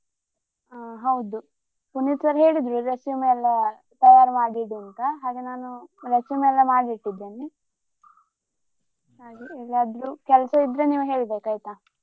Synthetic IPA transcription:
ɦɐwd̪u | punit̪sɐɾɐɦe̞ːɭid̪ɾuɾesjumɛlːɐ | t̪ɐjaːɾmaːɽiɽuɐnt̪ɐɦaːɡenaːnuɾesjumɛlːɐmaːɽibiʈːid̪ːeːni | haːɡeɛlːaːd̪ɾukɛlɐsɐid̪ːɾeniːʋuɦe̞ːɭibeːkaːjit̪a

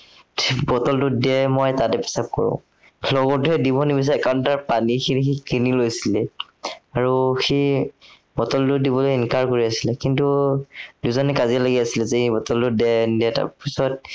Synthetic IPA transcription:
bɔtɔldʊdiɛmɔjtatɛpɛ̥sap̚kɔ̰ɹɔ̰̃ | lɔɡɔtʊɛdibɔnibis̬aɛkawʊntaɹpanixinxikinilojsilɛ | aɹuxi | bɔtɔltʊdibɔlojinkaɹkoɹiasilɛkintuduzɔnɛkazilaɡiasilɛzeibɔtɔldʊdɛdiɛta̰pisɔt̚

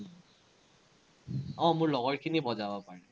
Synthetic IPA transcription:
ɔ̃mʊɹlɔɡɔɹkʰinibɔzabɔpaɹɛ

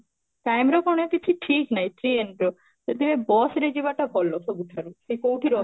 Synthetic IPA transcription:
ʈajmɾɔkɔɳ̃ekit͡ʃʰuʈʰiknajʈɾienʈɾɔ | d͡ʒet̪imebɔsɾed͡ʒibaʈabʰʱɔlːɔsobuʈʰaɾusekowʈʰiɾɔ

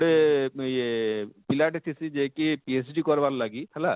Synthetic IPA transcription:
ɽe | pilaʈet̪ʰisid͡ʒekipiesɖikɔɾballaɡihʰɛla

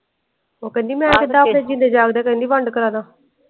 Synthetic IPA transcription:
oːkənd̪iːmɛ̃ːkɪt̪ãːpɽẽːd͡ʒɪnd̪eːd͡ʒaːkd̪ɛːkənd̪iːʋəɳɖkəɾãːd̪ãː

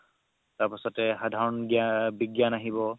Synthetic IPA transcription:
taɹpasɔtɛxadʱaɹɔnɡjabiɡjanaɦibɔ

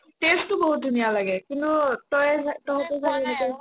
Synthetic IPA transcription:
testːʊboɦut̚dʱunijalaɡɛkintutɔjtɔɦɔtɔsʰakɛɛnɛka

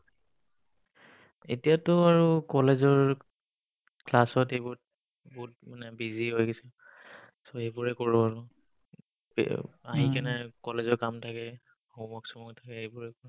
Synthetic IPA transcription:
etijatʊaɹukɔlezɔɹ | klasɔtejbʊt̚ | bɔt̚manɛbiziɦojɡesɛ | soejbʊɹɛkoɹʊaɹʊ | aɦikanɛkɔlezɔɹkamtʰakɛ | hɔmɔksɔmɔktʰakɛejbʊɹɛkoɹʊ

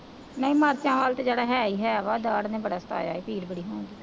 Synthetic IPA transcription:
nə̃ĩːmaːɾt͡ʃãːʋaːlt̪ed͡ʒeːɽaːɦɛːiːɦɛːʋaːd̪aːɽnẽːbəɽaːsət̪a̰ːja̰ːiːpiːɾbəɽiːɦõːnd̪iː

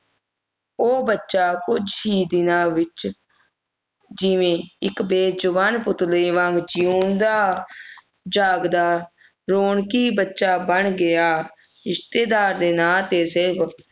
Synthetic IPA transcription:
oːbətːʃaːkʊd͡ʒɦiːd̪ɪnãːʋɪt͡ʃ | d͡ʒɪʋẽːɪkbeːd͡ʒʊʋaːnpʊt̪ləiʋãŋɡd͡ʒijuːnd̪aː | d͡ʒaːɡd̪aː | ɾoːɳkiːbətːʃaːbəɳɡɪjaː | ɪst̪eːd̪aːɾd̪eːnaːt̪eːsɪɾpʰ

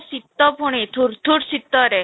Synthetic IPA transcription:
sit̪ːɔpuɽ̃et̪ʰuɾt̪ʰuɾsit̪ːɔɾe

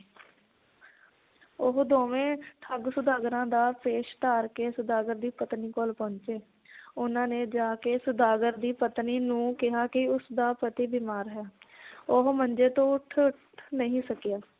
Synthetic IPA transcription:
ʊɦd̪oːʋẽːʈ̪ʰəɡsʊd̪aːɡɾãːd̪aːpeːʃt̪aːɾkeːsʊd̪aːɡəɾd̪iːpət̪niːkolpɔ̃ːɲt͡ʃeː | ʊnãːneːd͡ʒaːkeːsʊd̪aːɡəɾd̪iːpət̪niːnũːkɪɦaːkɪʊsd̪aːpət̪iːbiːmaːɾɦɛːʊɦmənd͡ʒeːt̪õːʊʈʰʈ | nəɦĩːsəkjaː

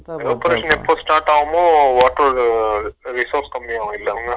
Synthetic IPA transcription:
oːpɐɾeːʂɐ̃nɛpːosʈaːɾʈaːʋɐmõːʋaːʈoɾ | ɾɪsoːɾskɐmbijaːʋɐ̃ɪlːɐʋɐŋɡɐ

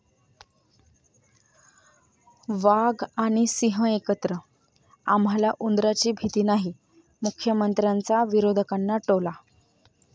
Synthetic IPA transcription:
ʋaɡaɽ̃isiɦə̃ekət̪ɾə | amɦalaʔund̪ɾat͡ɕiːbʱit̪iːnaɦi | mukʰjəmənt̪ɾant͡saʋiɾod̪ʱəkanːaʈola

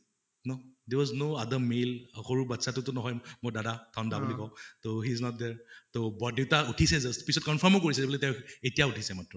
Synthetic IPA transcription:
nodɛɹwɔznoadəmelxoɹubatsatʊtʊnɔɦɔjmojdadatʰɔndabulikɔ̃ʊ̃toɦiznɔt̚dɛɹtobɔdiʊtautʰisɛzastpisɔt̚kɔnfʰəmok̬oɹisɛzebɔlɛtɛwetijautʰisɛmatɹɔ

